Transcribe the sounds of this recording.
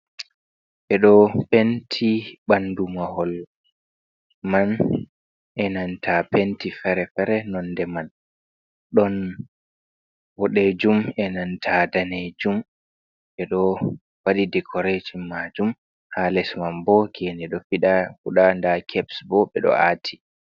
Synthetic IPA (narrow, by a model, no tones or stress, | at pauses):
ɓɛɗɔpentʰiɓandumahɔl | man | ʔɛnantʰapentifɛɾɛfɛɾɛnɔnːdɛman | ɗɔn | wɔɗed͡ʒumɛnantʰadaned͡ʒum | ɓɛɗɔ | waɗidɛkʰɔɾed͡ʒimːad͡ʒum | haːlɛsmambɔkʰɛndɛɗɔfiɗahuɗandakʰɛbsbɔɓɛɗɔ̰a̰ːtʰi̥